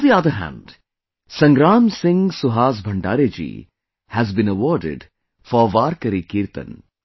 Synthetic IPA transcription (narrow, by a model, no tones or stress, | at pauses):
d̪iɐd̪əɦæ̰̃ɳɖ | sɐ̃ŋɡɾaːmsɪ̃ŋsʊɦaːs̬bʱɐ̃ɳɖa̰ːɾed͡ʒḭː | hæzbĩnəʋɔːɾɖɪ̰ɖ | fɔʋaːɾkəɾikiːɾt̪ə̰̃n